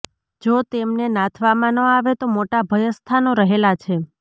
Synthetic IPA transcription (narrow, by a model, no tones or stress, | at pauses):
d͡ʒot̪emnenãt̪ʰʋamãnə̃aʋet̪omoʈabʱəjəst̪ʰanoɾəɦelat͡ʃʰe